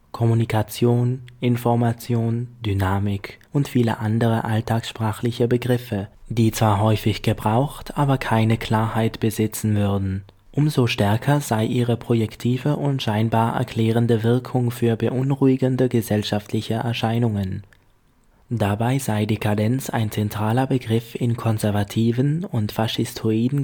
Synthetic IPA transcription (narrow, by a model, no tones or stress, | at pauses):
kʰɔmunikʰat͡sjoːnʔɪnfɔɐmat͡sjoːndynaːmɪkʰʔʊntfiːlə̰ʔandəʁ̞əʔaltʰaːksʃpʁ̥aːχlɪçəbəɡʁɪfəd̥iːt͡sv̥aːɐɦɔʏfɪçɡ̥əbʁaʊxtʔaːbɐkʰaɪnəkʰl̥aːɐhaɪtb̥əzɪt͡sn̩vʏɐdn̩ | ʔʊmzoʃtɛɐkʰɐzaɪʔiːʁ̞əpʁ̥ojɛktʰiːvəʔʊntʃaɪnbaːɐʔɛ̰ɐkʰl̥ɛːʁ̞əndəvɪɐkʰʊŋfyːɐbəʔʊnʁuɪɡəndəɡəzɛlʃaftʰlɪçəʔɛ̰ɐʃaɪnʊŋən | dabaɪzaɪdiːkʰadɛnt͡sa̰ɪnt͡sɛntʁ̥aːlɐbəɡʁɪfɪnkʰɔnzɛɐvatʰiːvənʊntfaʃɪstʰuiːdn̩